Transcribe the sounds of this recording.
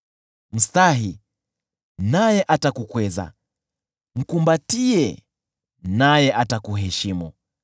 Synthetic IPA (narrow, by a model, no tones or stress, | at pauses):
m̩staɦi | najɛʔatakukwɛza̰ | m̩kumbatiɛ | najɛʔatakuɦɛʃimu